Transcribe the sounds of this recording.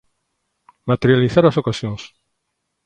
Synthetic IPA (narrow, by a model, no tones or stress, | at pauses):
mat̪eɾjaliθaɾasokasjõŋs